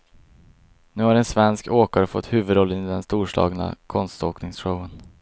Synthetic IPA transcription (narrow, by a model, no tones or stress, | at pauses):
nʉ̟ːhaɾɛnsvɛnskʰoːkaɾəfɔ̰t̪ːhʉ̟ːvɵd̪ɾɔlːənɪd̪ɛnst̪uːʂlɑ̰ːɡna̰kʰɔnst̪oːknɪŋsɧəwən